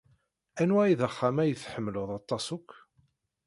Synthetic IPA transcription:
ænwæiðəχːamæjəθħəmːlʊðˤɑt̪ˤːɑsʊkʷː

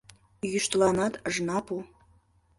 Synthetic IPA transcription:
jyʃt̪lɑnɑt̪əʒnɑpu

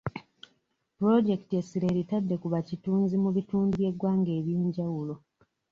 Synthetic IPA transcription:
pɾo̞ɟe̞ktiesiɾe̞ːɾitadːe̞kuβacituːnzimuβituːnduβje̞ɡwaːŋɡe̞ːβjeːɲɟawulo̞

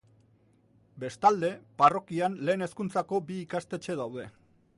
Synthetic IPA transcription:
be̞st̪ald̪e̞paro̞kianle̞ːne̞skunt͡sako̞biːkast̪e̞t͡ʃe̞ð̞awðe̞

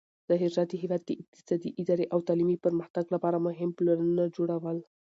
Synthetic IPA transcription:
d̪̥əɦɪʒɑd̪iɦewɑd̪̚keʔɪq̚t̪ɪ̥sɑd̪iʔɪd̪ɑɾeʔawt̪ɑlimipəɾməxt̪aɡlapɑɾamʊɦɪmplanunad͡ʒoɽawəl

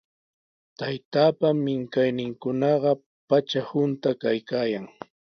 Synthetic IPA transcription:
t̪ajt̪aːpamːɪŋkajnɪŋkʊnɑɢɑ | pat͡ʃahʊnt̪akajkaːjaŋ

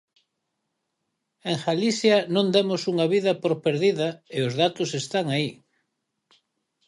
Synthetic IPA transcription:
eŋxaliθjanõnd̪emʊsuŋaβiðɐpoɾpeɾðiðɐɪʊzðat̪ʊsest̪aŋai

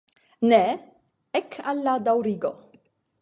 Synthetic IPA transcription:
nɛ | ɛkʰːalːad̪awɾiːɡo

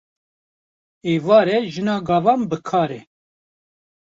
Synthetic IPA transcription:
eːvɑːɾɛʒɨnɑːɡɑːvɑːnbəkʰɑːɾɛ

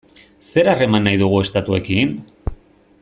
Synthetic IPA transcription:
se̞ɾare̞manːajðuɣ̞ue̞st̪at̪ue̞kin

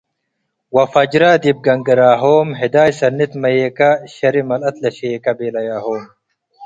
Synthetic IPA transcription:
wɐfɐd͡ʒɾaːd̪ib̚ɡɐŋɡɐɾaːɦoːmɦɪd̪aːjsɐnːit̪mɐjeːkɐɕɐɾimɐlɐt̪lɐʃeːkɐbeːlɐjaːhoːm

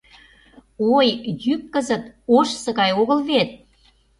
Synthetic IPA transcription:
ojjykːəzət̪oʃsə̆ɣɑjoɣəlβet̪̚

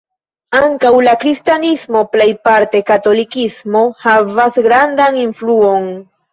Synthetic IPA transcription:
aŋkawlakɾist̪janismoplajpaɾt̪ekat̪olikismohavasɡɾand̪aŋiɱfluoŋ

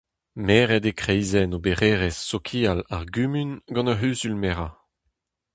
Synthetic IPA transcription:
mɛːʁɛdekχɛjzɛnobeʁeːʁɛsːokʰiːalaʁɡymynɡɑ̃naɦyːzylmɛʁa

